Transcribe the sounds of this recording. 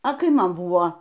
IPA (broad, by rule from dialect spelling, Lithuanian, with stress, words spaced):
ɐ ˈkɐɪ ˈmɐn ˈbʊʋoː